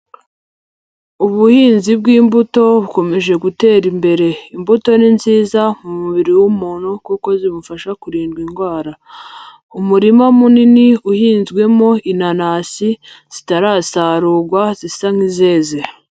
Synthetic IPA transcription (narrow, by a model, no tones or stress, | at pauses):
uβuhiːnzib̚ɡiːmbuto̞βuko̞me̞ʒe̞ɡute̞ːɾimbe̞ɾe̞imbuto̞ninziːzamumuβiɾiwumuːnhukuko̞zimufaʃakuɾiːnɡwiŋɡwaːɾa | umuɾimamuniniuhiːnzɡwe̞mo̞inanaːsi | z̥itaɾaːsaːɾuːɡwazisaŋ̥ize̞ːze